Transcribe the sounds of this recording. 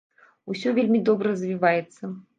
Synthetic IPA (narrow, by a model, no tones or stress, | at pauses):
usʲɔvʲelʲmʲid̪ɔbɾərɐzʲvʲivajɛt̪sːɐ